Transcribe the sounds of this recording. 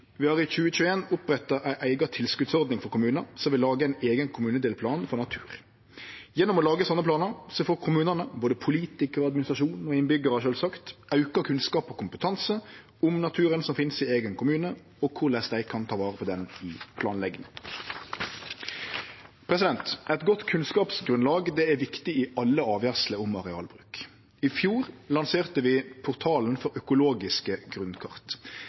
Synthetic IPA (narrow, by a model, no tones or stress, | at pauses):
ʋɪhɑʁɪçʉːəc͡çʉːəeːnʊpʁɛt̪ːɑʔæɪʔæɪɡɑt̪ʰɪlskʉt̪sɔʁd̪nɪŋfɔɾkʊmʉːnəɾsɔmʋɪlːɑːɡəæɪneːɡənkʰʊmʉːnəd̪eːlpʰlɑːnfɔʁnɑt̪ʰʉːɾ | jɛnːʊmɔlɑːɡəsɔnːəpʰlɑːnəɾsɔfoːkʰʊmʉːnənəboːd̪əpʰʊliːt̪ɪkəʁɔɑd̪mɪnɪsʁɑʃuːnɔɪnbʏɡəɾəʃøːlsɑkt̪ɑʉkɑkʰʉnskɑːpɔkʰʊmpət̪ʰɑnsə | ʊmnɑt̪ʰʉːɾənsɔmfɪnsɪeːɡənkʰʊmʉːnə | ɔkʰʊʁlɛsd̪æɪkʰɑnt̪ʰɑːʋɑːʁəpʰɔd̪ɛnɪpʰlɑːnlɛɡnɪŋ | pʰɾɛsɪd̪ɛnt̪ɛt̪ɡɔt̪ːkʰʉnskɑːpsɡɾʉnlɑːɡd̪ɛæʋɪkt̪ɪɪʔɑlːəɑːʋjæʁsləʊmɑʁɛɑ̰ːlbʁʉːk | ɪfjuːʁlɑnseːʁt̪əʋɪpʰʊʁt̪ʰɑːlnfɔɾœkʊloːɡɪskəɡʁʉnkʰɑ̰ʁt̪